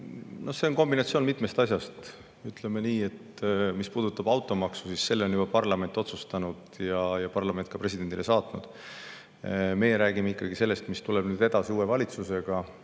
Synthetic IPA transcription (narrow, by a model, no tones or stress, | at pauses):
nʔo̞se̞onko̞mbinɑt̪sioːnmit̪ˑme̞st̪ɑsjɑst̪ | yt̪ˑlemeniːe̞t̪ | mispuːd̪̥ut̪ːˑɑbɑwt̪ːˑo̞mɑksu̥sisse̞lːeonjubɑpɑrlɑme̞nt̪ːˑo̞t̪sust̪ɑnud̪̥jɑjɑpɑrlɑmenkɑpre̞s̬id̪e̞nd̪ilesɑːt̪nṵd̪̥ | me̞jeɾæːɡimeikːˑɑɡise̞lːe̞st̪mist̪ule̞b̥nyːd̪̥e̞d̪ɑsiuːe̞vɑlʲit̪suse̞ɡ̥ɑ